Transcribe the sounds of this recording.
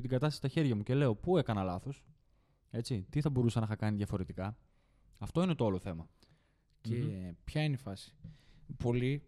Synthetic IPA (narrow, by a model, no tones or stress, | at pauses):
t̪iɡɐt̪ɐst̪ɐsi̥t̪ɐçe̞ɾʝɐmuce̞le̞o̞pue̞kɐnɐlɐθo̞s | e̞t͡sit̪iθɐbo̞ɾusɐnɐxɐkɐniðʝɐfo̞ɾe̞t̪ikɐ | ɐft̪o̞ine̞t̪o̞ɐloθe̞mɐ | cepçɐinifɐsi̥po̞li